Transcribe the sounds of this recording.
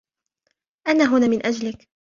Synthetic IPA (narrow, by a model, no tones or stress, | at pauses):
ʔanaːɦʊnaːmɪnʔad͡ʒlɪk